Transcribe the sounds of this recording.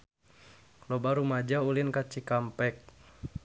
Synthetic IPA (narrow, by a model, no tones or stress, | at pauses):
lɔbaɾumad͡ʒaulinkat͡ʃikampɛk̚